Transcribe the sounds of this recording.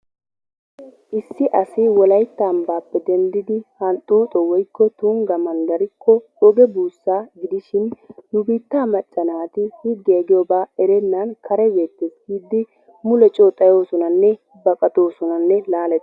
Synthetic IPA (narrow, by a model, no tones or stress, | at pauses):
ʔɪsːɪʔɐsɪwɔlɐjt̪ːambaːpːɛd̪ɛnd̪ɪd̪ɪhɐnt̪ʼuːt̪ʼɔwɔjkːɔt̪uːŋɡɐmɐnɡ̪ɐɾɪkʰːɔ | ɔɡɛbuːsːaːɡɪd̪ɪʃɪnːʊbiːt̪ːaːmɐt͡ʃʼːɐnaːt̪ɪhɪɡːeːɡɪjobaːɛɾɛnːɐnkʰɐɾɛbe̞ːt̪ːesɡiːd̪ːɪ | mʊlɛt͡ʃʼoːt̪ʼɐjo̞ːsɔnɐnːɛ | bɐkʼɐt̪o̞ːsɔnɐnːɛlaːlɛ